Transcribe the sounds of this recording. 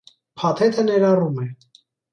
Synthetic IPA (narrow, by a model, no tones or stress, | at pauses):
pʰɑt̪ʰɛt̪ʰənɛɾɑrumɛ